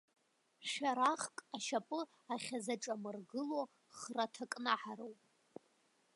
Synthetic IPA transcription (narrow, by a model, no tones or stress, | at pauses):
ʃᶣaɾaχkʼaʃapʼɨ | aχʲazaʈ͡ʂʼamɨrɡɨlo | χratʰakʼnaħaɾowpʼ